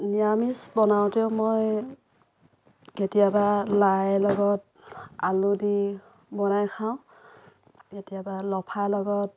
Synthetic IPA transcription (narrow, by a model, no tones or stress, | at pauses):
niamisbɔnawtiʊmoj | ketijabalajlɔɡɔt̚ | aludi | bɔnajkʰawʊ̃ | ketijabalɔpʰalɔɡɔt̚